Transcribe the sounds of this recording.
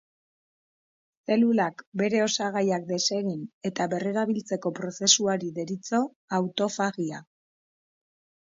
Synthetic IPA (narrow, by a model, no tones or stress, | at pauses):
se̞lulakbe̞ɾe̞o̞saɣ̞ajakd̪e̞se̞ɣine̞t̪aβe̞re̞ɾaβ̞ilt͡se̞ko̞pɾo̞se̞suaɾiðe̞ɾit͡so̞ | awt̪o̞faɣia